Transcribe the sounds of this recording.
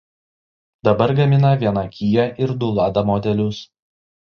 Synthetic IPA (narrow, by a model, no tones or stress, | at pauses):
d̪ɐbɐɾɡɐmʲɪnɐʋʲiɛnɐkʲʰiːjɛʔɪɾd̪ʊlˠɑːd̪ɐmɔd̪ʲɛlʲʊs